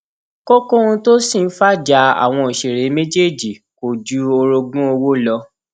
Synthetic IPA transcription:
ko˦ko˦ũ˧to˦sĩ˦˨n̩˦fa˦d͡ʒa˧˦a̰˨w̃ɔ̃˧o˨ʃe˨ɾe˨˦me˦d͡ʒe˦˨d͡ʒi˨ | ko˨d͡ʒu˨˦o˧ɾo˧ɡũ˦o˧wo˦lɔ˧˦

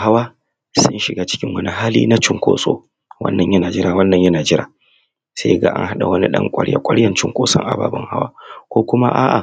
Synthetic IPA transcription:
ha˦waː˦ | sʊ̰˦nʃɪ˨ɡaː˦t͡ʃɪ̥˦kʲɪ˦ŋwɐ˦ni˦ɦaː˦lḭː˦na˦t͡ʃɪ˦ŋkʷo̰ː˨so̰ː˦ | wɐ̰˦nːɐ˨ɲjɐ˦naː˨d͡ʒɪ˦ɾaː˨wɐ˦nːɐ˨ɲjɐ˦naː˨d͡ʒɪ˦ɾaː˨ | se˦jɡa̰˦ʔa̰˦ŋɦa˦ɗa̰˨wɐ˦nḭ˦ɗɐ̰˦ŋkʷʼɐ˦ɽja̰˦kʷʼɐ˦ɽjɐ˦˨nt͡ʃɪ˦ŋkʷoː˦sɔ̰˦ŋʔa̰˨ba̰ː˨bɔ˦ŋha̰˦wa̰ː˦kʷoː˦kʷʊ˦ma̰˦ʔaː˦ʔa̰˨

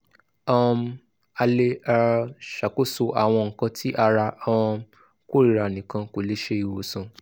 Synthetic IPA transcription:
ɔ˦˧˦ | a˧le˧a˧ʃa˨ko˦so˧ʔa˨w̃ɔ̃˧ŋ̩˨kã˧tʰi˦ʔa˧ɾa˧ɔ̃˧ | ko˦˨ɾi˨ɾa˨nĩ˨kã˧ko˨le˦ʃe˦i˨wo˨sũ˨

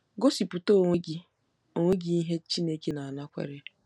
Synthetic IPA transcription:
ɡo˦si˨pu˨to˦˨e˦ɡi˦ | o˨ŋʷe˦ɡi˦i˦ɦe˦t͡ʃi˦ne˦ke˦na˨a˨na˦kʷḛ˨ɾɪ˦

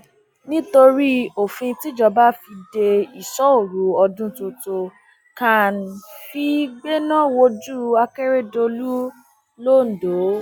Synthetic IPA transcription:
nĩ˦to˧ɾi˦o˨fĩ˧ti˦d͡ʒɔ˧ba˦fi˧de˧i˨sɔ˨˦o˦˨ɾu˨˦ɔ˧dũ˦to˧to˧ | ka˨n˨fi˧ɡ͡be˦nã˦wo˧d͡ʒu˦a˧ke˦ɾe˦do˧lu˦ | lo˦˨n̩˨do˨˦

